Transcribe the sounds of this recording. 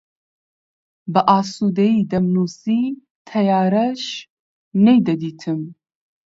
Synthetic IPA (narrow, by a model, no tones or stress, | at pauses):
bɐʔaːsud̪ɐjiːd̪ɐmnuːsi | t̪ʰɐjaːɾɐʃ | nejd̪ɐd̪iːt̪ʰɨm